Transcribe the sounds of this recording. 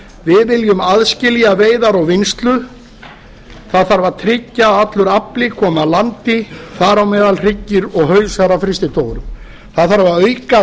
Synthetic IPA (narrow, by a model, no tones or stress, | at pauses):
vɪðvɪljʏmaðscɪlijaveːjðaɾɔɣvɪnst̪lʏ | θaðθaɾvaɾ̥t̪ʰɾɪcːaat̪lʏɾaplɪkʰɔːmalant̪ɪθaɾawmɛːðalr̥ɪcːɪɾɔɣhœːɥsaɾafɾɪst̪ɪt̪ʰoːwðɾʏm | θaðθaɾvaɾœɥka